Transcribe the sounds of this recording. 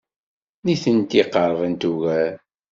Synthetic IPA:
niθənt̪iqːəɾˤəðˤənt̪uɣæɾ

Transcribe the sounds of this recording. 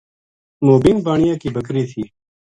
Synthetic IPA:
moːbiːnbaːɳɪjãːkiːbʱəkɾiːt̪ʰiː

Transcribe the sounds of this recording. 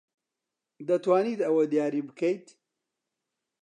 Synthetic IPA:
d̪ɐt̪waːniːt̪ɐwɐd̪jaːɾiːbɨkʰɐjt̪

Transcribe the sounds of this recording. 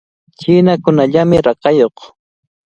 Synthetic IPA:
t͡ʃɪːnakʊnaʎamɪɾɑqɑjoχ

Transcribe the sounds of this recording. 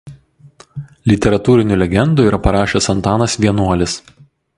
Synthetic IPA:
lʲɪt̪ʲɛɾɐt̪uːɾʲɪnʲʊˑlʲɛɡʲɛnd̪uiːɾɐpɐɾɑːʃʲeːsɐnt̪ɑːnɐsʋʲiɛnuɔlʲɪs

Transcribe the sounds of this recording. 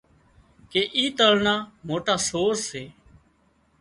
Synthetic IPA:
keːʔiːt̪əlnaːmoːʈaːsoːsːeː

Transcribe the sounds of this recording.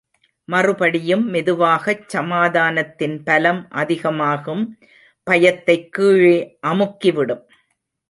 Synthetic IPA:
mɐrɯpɐɽɪjɯmːɪðɯʋaːɣɐt͡ʃsɐmaːðaːnɐt̪ːɪnpɐlɐmʔɐðɪɣɐmaːɣɯm | pɐjɐt̪ːɐɪkːiːɻeːʔɐmɯkːɪʋɪɽɯm

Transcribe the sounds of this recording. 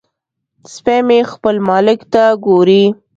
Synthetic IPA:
spemexpəlmɑlɪkt̪aɡoɾi

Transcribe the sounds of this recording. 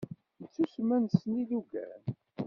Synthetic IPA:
nt͡sːusmænsniluɡæ̰n

